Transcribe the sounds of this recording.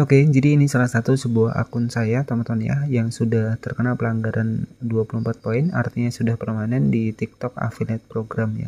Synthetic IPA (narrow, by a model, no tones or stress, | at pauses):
oked͡ʒadiːnisalahsat̪usəbuaɦa̰kʊnsajat̪ɔmt̪ɔnja̰jaŋsudaht̪ərkənalpəlaŋɡaɾʔanduapulumpat̪̚poɪna̰rt̪iɲasudahpərmanɛndit̪ik̚t̪ɔk̚a̰filɛt̪̚pɾoɡɾamja̰